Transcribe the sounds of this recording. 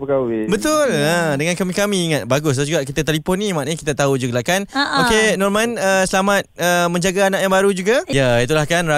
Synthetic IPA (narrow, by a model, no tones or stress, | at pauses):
pəkawibət̪ʊlədəŋankamĩkamĩːŋat̪̚baɡʊs̬dad͡ʒuɡaʔkit̪at̪elipɔnːĩmaʔĩkit̪at̪aud͡ʒuɡalakanokenɔrmanəsəlamat̪̚əmə̃ɲd͡ʒaɡaːnãʔjãŋbaɾud͡ʒuɡajəit̪ulahkana